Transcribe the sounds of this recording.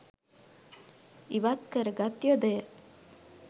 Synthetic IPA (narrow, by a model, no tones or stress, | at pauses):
iʋat̪kəɾəɡat̪jod̪əjə